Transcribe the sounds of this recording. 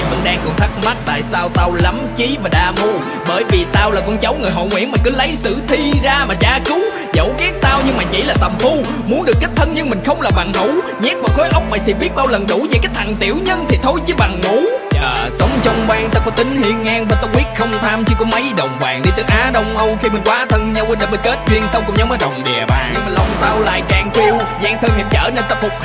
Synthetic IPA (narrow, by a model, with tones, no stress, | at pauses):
və̰˧˥nɗaː˧ŋkɔ˨˧˩t̪ʰa˦˥t̚ma˦˥t̚t̪a̰ː˧˨jsaː˧wt̪a˧wla˨˦mt͡ɕi˨˦vaː˨˩ɗaː˧˩mo˧ | ɓəː˧˩jvi˨˩t̪aː˧wlaː˨˩kɔ˧nt͡ɕə˨˦wŋɨ˨˩jɦo̰˧˨ŋwḭ˧˥ənmaː˨˩kɨ˨˦lə˨˦jsɨ̰˧˨t̪ʰi˧zaː˧maː˨˩t͡ɕaː˧kɨ˨˦ | zə̰˧˦˩wɣɛ˦˥k̚t̪aː˧wɲɨ˧ŋmaː˨˩t͡ɕḭ˧˩laː˨˩t̪ə˨˩mfu˧ | mu˨˦ənɗɨ˨˩əkːk̚t̪ʰə˧nɲɨ˧ŋmï˨˩ŋ̟xə˧wŋ͡mlaː˨˩ɓa˨˩ŋhu˧˥˦ɲɛ˦˥k̚vaː˨˩xo˨˦jʔə˦˥wk͡p̚ma˨˩jt̪ʰi˨˩ɓi˦˥ət̚ɓaː˧wlə˨˩nɗu˧˥ve˨˩kaː˦˥k̚t̪ʰa˨˩ŋt̪ḭ˧˨˥əwɲə˧nt̪ʰi˨˩t̪ʰo˧jt͡ɕɨ˨˦ɓa˨˩ŋmu˧˦əː˨˩sə˨˦wŋ͡mt͡ɕə˧wŋ͡mɓwaː˧ŋt̪ə˦˥k̚laː˨˧˩t̪ï˨˦ŋ̟hḭ˧˨əŋːaː˧ŋvaː˨˩t̪ə˧wŋ͡mɓi˦˥ət̚xə˧wŋ͡mt̪ʰaː˧mt͡ɕɨ˧kɔ˨˦mə˨˦jɗə˨˩wŋ͡mvaː˨˩ŋɗi˧t̪ɨ˨˦jʔaː˨˦ɗə˧wŋ͡mʔə˧wxi˧mï˨˩ŋ̟kwaː˨˦t̪ʰə˧ŋɲa˧wʔə˨˦ɗa˧˩ɓə˨˧˩jke˦˥t̚zwi˧ənsə˧wŋ͡mkʊ̰˧˥ŋ͡mɲɔ˨˦wməː˨˦ɗə˨˩wŋ͡mɗɛ̰˨˩əɓa̰ː˨˩ɲɨ˧ma˨˩lə˨˩wŋ͡mt̪aː˧wla̰ː˧˨jkaː˨˩ŋfi˧əwzaː˧ŋsəː˧nʰḭ˨˩p̚t͡ɕəː˧˩ne˧nt̪a˧fʊ˨˩k͡p̚